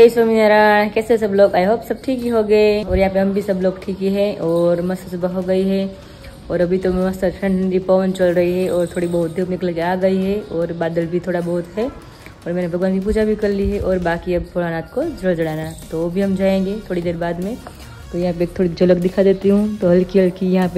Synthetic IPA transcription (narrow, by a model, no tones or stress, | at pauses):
eːswaminaɾakɛːses̬ɐbloːɡaːjɦobsɐb̚ʈʰiːkɦiɦoɡɐeɔːɾjɐɦãːpeɦɐmbʱisɐbloːɡʈʰiːkeɦɛʔɔːɾmɐst̪əsbaɦoɡɐiɦɛ | ɔːɾɐbʱit̪ommɐst̪əʈʰɾə̃ɳɖnd̪ipaːʋə̃nt͡ʃɐlɾɐɦiɦɛʔɔːɾt̪ʰoːɽibɐɦʊt̪̚d̪ebnɪkəlkeaːɡɐiɦɛɔːɾbaːd̪əlbʱit̪ʰoːɽabɐɦʊt̪ɦɛ | ɔːɾmɛːnebʱɐɡʋaːnkip̬uːd͡ʒabʱikɐɾliɦɛʔɔːɾbaːkiɐbpʰoɽaːnaːt̪̚kod͡ʒɾəd͡ʒɐɽaːnat̪oʋobʱiɦɐmd͡ʒaːẽːŋɡet̪ʰoːɽid̪eːɾbaːd̪mẽ | t̪ojɐɦãp̬eeːkt̪ʰoːɽid͡ʒɐləkd̪ɪkʰad̪eːt̪iɦũt̪oɦɐlkiɐlkijɐɦãpe